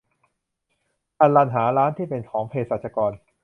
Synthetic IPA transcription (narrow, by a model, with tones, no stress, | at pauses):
ʔa˧nla˧nɦaː˩˦ɾaː˦˥nt̪ʰiː˥˩pe˧nkʰɔː˩˦ŋpʰeː˧saː˨˩t̪̚t͡ɕʰa˧kɔː˧n